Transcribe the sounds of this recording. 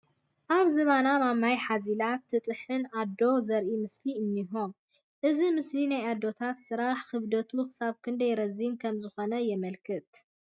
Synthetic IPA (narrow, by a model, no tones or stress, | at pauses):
ʔaβzɨβanamamajħazilat̪ʰːɨt̪ʼɨħɨnad̪o̞zɐɾʔimɨsliɨnːiɦo̞n | ʔɨzimɨslinajad̪ːo̞t̪ʰat̪sɨɾaħkɨβd̪ɐt̪ʰuxɨ̥saβkʰɨnd̪ɐjɾɐzinkʰɐmzɨxo̞nɐjɛmɐlkʰɨt̪